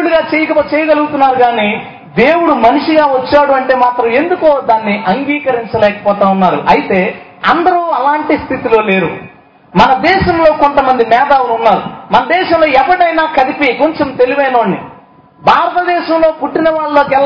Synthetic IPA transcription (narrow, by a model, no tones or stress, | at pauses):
ɽuɡaːt͡ʃeːjɐkɐt͡ʃɛːjɐɡɐluɡut̪unːaːɾuɡaːniː | d̪e̞ːwuɽumɐnuʂiɡaːʋɐt͡ʃːaːɽuɐɳʈe̞ːmaːt̪ɾɐme̞nd̪ukoːd̪aːnːiʔɐŋɡiːkɐɾiɲt͡ʃɐlɛːkɐ̥pɔːt̪aːunːaːɾṵʔɐjit̪e̞ː | ɐnd̪ɐɾuɐlaːɳʈist̪ʰit̪ilo̞ːle̞ːɾṵ | mɐnɐd̪ɛːʃɐmlo̞ːkont̪ɐmɐnd̪imɛːd̪aːwɐnunːaːɾṵmɐnɐd̪ɛːʃɐmlo̞ːɛpːɐʈɐjnaːkɐd̪ipikoɲt͡ʃemt̪e̞liʋɐjnoːɳːḭ | bʱaːɾɐt̪ɐd̪ɛːʃɐmlo̞ːpuʈːinɐʋaːɭlo̞ːkɛl